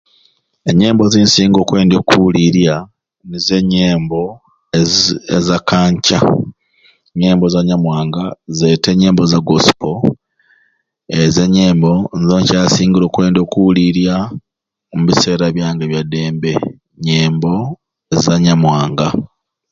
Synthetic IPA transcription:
eɲe̞ːmbo̞ziːnsiːŋɡo̞ːkwe̞ːndoːkuuliɾja | nize̞ɲeːmbo̞ | ḛzakaːɲca̰ | ɲeːmbo̞zaɲamwaːŋɡaze̞te̞ɲe̞ːmbo̞zaɡosi̥po | eze̞ɲe̞ːmbo̞nzoːɲcaːsiːŋɡilo̞ːkwe̞ːndo̞ːkuuliɾja | omuβise̞ːɾaβjaːŋɡeβjade̞ːmbe̞ | ɲeːmbo̞ | ezaɲamwaːŋɡa

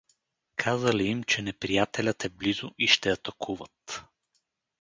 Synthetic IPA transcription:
kʰazəliimt͡ʃɛnɛpɾijat̪ɛlʲət̪ɛblizʊʔiʃt̪ɛɐt̪ɐkʰuvət̪

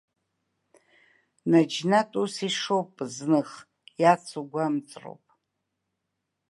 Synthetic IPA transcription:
nad͡ʒnatʼusiʂowpʼznɨχ | jat͡sʰuɡʷamt͡sʼro̰wpʼ

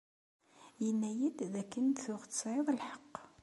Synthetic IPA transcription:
jənːæjəd̪ðækːənt̪θʊʁt̪sɾeðˤlħɑ̥qː

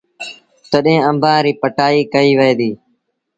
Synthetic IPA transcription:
t̪əɗɦẽːə̃mbʱãːɾiːpəʈaːiːkəiːʋəeːd̪iː

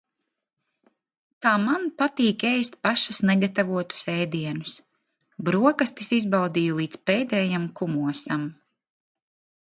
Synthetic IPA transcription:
t̪aːmanpat̪iːkɛjst̪̚paʃasnɛɡat̪avuɔt̪u̥sɛːd̪iɛnus | bɾuɔkast̪isizbald̪iːjulˠiːt̪spɛːd̪ɛːjamkumuɔsam

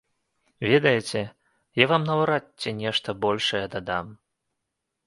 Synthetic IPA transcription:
vʲɛd̪ɐjɛt͡sʲɛ | javamnɐwɾatʲːɛnʲɛʂt̪ɐbɔlʲʂɐjɛd̪ad̪am

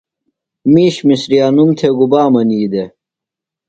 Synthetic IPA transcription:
miːɕmisɾijaːnumt̪ʰeɡubaːmɐniːd̪e

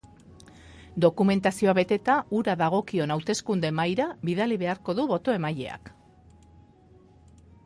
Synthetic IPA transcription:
d̪o̞kume̞nt̪asio̞aβe̞t̪e̞t̪aʔuɾaðaɣ̞o̞kio̞nawt̪e̞skund̪e̞majɾaβiðaliβe̞aɾko̞ðuβo̞t̪o̞e̞maje̞̰a̰k

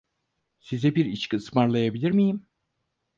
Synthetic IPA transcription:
sizɛbiɾiʃkʰɯsmaɾlˠajabilʲiɾmijim

